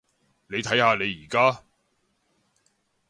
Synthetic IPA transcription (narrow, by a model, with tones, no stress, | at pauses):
ne˨˧jt̪ʰɐ˨˥jhaː˨˧ne˨˧jːiː˨˩kaː˥